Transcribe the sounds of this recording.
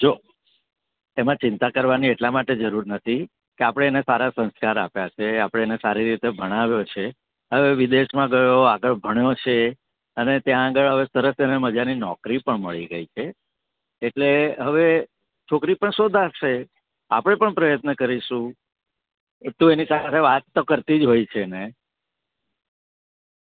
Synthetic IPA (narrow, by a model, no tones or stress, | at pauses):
d͡ʒo | emãt͡ʃɪnt̪akəɾʋanieʈlamaʈed͡ʒəɾuɾnət̪ʰi | keapɽ̃eːnesaɾasə̃nskaɾapjat͡ʃʰeapɽ̃eːnesaɾiɾit̪ebʱəɽ̃aʋjot͡ʃʰe | ɦəʋeʋid̪eʃmãɡəjoaɡəɭbʱəɳjot͡ʃʰe | ənet̪jãːɡəɭɦəʋesəɾəseneməd͡ʒaninɔkɾipəɳməɭiɡəit͡ʃʰeː | ʈleɦəʋe | t͡ʃʰokɾipəɳsod̪ʱaʃe | a̰pɽ̃epəɳpɾəjət̪nəkəɾiʃũ | t̪ũenisat̪ʰeʋat̪ːokəɾt̪id͡ʒɦojt͡ʃʰene